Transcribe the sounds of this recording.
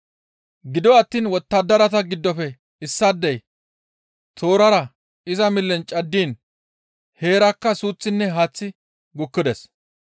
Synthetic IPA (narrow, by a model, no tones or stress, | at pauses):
ɡɪd̪ɔɐt̪ːiːnwɔt̪ːɐd̪ːɐɾɐt̪ɐɡɪd̪ːɔfɛ | ɪsːɐd̪ːɛj | t̪ʰo̞ːɾɐɾɐ | ɪzɐmɪlːɛnt͡ʃʼɐd̪ːiːn | he̞ːɾɐkːɐsuːt͡sːɪnːɛɦaːt͡sːɪ | ɡʊkːɪd̪ɛs